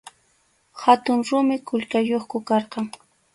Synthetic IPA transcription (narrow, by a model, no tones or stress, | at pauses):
hat̪ʊŋɾʊmɪkʊʎkajoχkʊkɑɾqɑŋ